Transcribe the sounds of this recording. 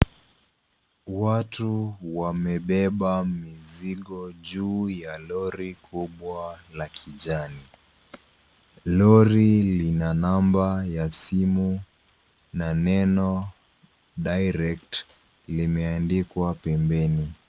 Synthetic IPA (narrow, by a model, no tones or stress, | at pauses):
watuwamɛɓɛɓamiziɠɔʄuːjalɔɾikʰuɓwalakʰiʄani | lɔɾilinanambajasimu | nanɛnɔ | ɗajɾɛk̚t | limɛandikwapɛmbɛni